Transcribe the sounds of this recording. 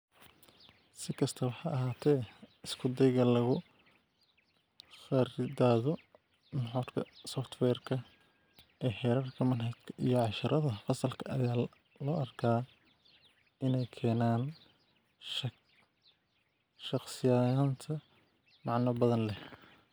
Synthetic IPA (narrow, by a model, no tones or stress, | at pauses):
sɪkʰɐst̪ʰɐwɑħɑːʔɐɦaːt̪ʰɛːɪskʰʊd̪ɛjɣɐlɐɣʊ | fɛɾɪdaːðɔ | nħɔɾkʰɐsɔft̪ʰwɛːrkʰɐ | ʔɛːħɛːɾarkʰɐmɐnhɐd̪kʰɐʔijɔʕɑʃɐɾɐðɐfɐsɐlkʰɐɐjaː | lɔːʔɐrkʰaː | ɪnɛjkʰɛːnaːn | ʃɑqsɪjaːjaːnt̪ʰɐ | mɑʕnɐbɐðɐnlɛ